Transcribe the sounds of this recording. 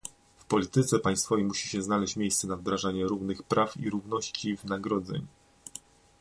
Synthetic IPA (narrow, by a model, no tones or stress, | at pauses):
fpɔlʲit̪ɘt̪sɛpaj̃st̪fɔvejmuɕi̥ɕɛznalɛɕt͡ɕmʲjejst̪sɛnavd̪ɾaʐaɲɛɾuvnɘxpɾʔafḭɾuvnɔɕt͡ɕivɘnaɡɾɔd̪zɛ̰ɲ